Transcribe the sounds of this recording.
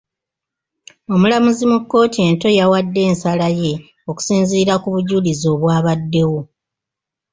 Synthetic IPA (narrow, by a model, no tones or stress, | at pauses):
o̞mulamuzimukːo̞ːtie̞ːnto̞jawadːe̞ːnsalaje̞ | o̞ku̥siːnziːɾakuβuɟulizo̞ːβwaːβadːe̞wo̞